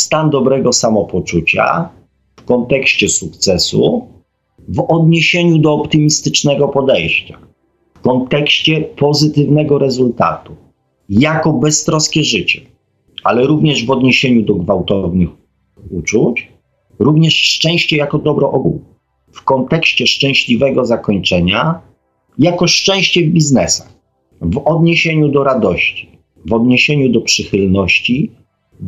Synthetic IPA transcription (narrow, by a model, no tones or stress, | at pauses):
st̪and̪ɔbɾɛɡɔsamɔpɔt͡ʂut͡ɕa̰ | fkɔnt̪ɛkɕt͡ɕɛsuk̚t̪sɛsṵ | vɔd̪ɲeɕeɲud̪ɔːpt̪ɘmʲist̪ɘt͡ʂnɛɡɔpɔd̪ɛjɕt͡ɕḁ | fkɔnt̪ɛkɕt͡ɕɛpɔzɘt̪ɘvnɛɡɔɾɛzult̪a̰t̪u | jakɔbɛst̪ɾɔskʲɛʐɘt͡ɕɛ | alɛɾuvɲɛʐvɔd̪ɲeɕeɲud̪ɔɡvawt̪ɔvnɘx | ut͡ʂut͡ɕ | ɾuvɲɛʂt͡ʂɛ̃w̃ɕt͡ɕɛjakɔd̪ɔbɾɔʔɔɡṵw | fkɔnt̪ɛkɕt͡ɕɛʂt͡ʂɛ̃w̃ɕlʲivɛɡɔzakɔɲt͡ʂɛɲa | jakɔʂt͡ʂɛ̃w̃ɕt͡ɕɛvbʲiznɛsax | vɔd̪ɲeɕeɲud̪ɔɾad̪ɔɕt͡ɕi̥ | vɔd̪ɲeɕeɲud̪ɔpʂɘxɘlnɔɕt͡ɕi